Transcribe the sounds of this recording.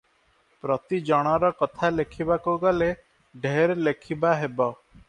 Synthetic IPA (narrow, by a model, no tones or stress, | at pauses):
pɾɔt̪id͡ʒɔɽ̃ɔɾɔkɔt̪ʰalekʰibakuɡɔle | ɖʱeɾlekʰibaɦebɔ